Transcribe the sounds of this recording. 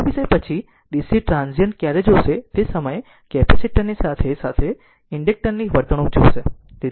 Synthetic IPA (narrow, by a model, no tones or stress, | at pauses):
ʋisepət͡ʃʰi | ɖisiʈɾãnzijənkjaɾed͡ʒoʃet̪esəməje | kɛpʰisiʈəɾnisat̪ʰesat̪ʰe | ɪɳɖek̚ʈəɾniʋəɾt̪əɽ̃ũd͡ʒo̰ʃe | t̪i